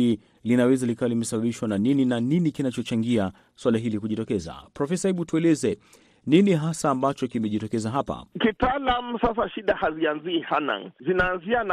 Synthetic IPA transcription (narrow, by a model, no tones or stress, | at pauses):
i | linawɛzalikalimɛsaɓaɓiʃwananininaninikinat͡ʃɔt͡ʃaŋɡia | swalaɦilikuʄitɔkɛza̰pɾɔfɛsaiɓutuɛlɛzɛ | niniɦasaːmbat͡ʃɔkimɛʄitɔkɛzaɦapa̰kitalamusas̬aʃiɗahazianziːhana̰ŋzinaːnziana